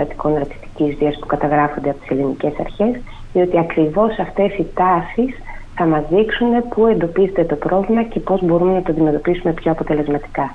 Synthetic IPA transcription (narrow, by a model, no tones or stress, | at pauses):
ɐt̪i̥ko̞nɐɾt̪i̥st̪i̥cizðiɐspu̥kɐt̪ɐɣɾɐfo̞nd̪eɐpo̞t̪i̥se̞linice̞sɐ̰ɾçe̞s | ðio̞t̪iɐkɾivo̞sɐft̪e̞sit̪ɐsisθɐmɐzðiksune̞pue̞nd̪o̞pize̞t̪e̞t̪o̞pɾo̞vlimɐce̞po̞zbo̞ɾume̞nɐt̪oɐnd̪ime̞t̪o̞pisume̞pço̞ɐpo̞t̪e̞le̞zmɐt̪i̥kɐ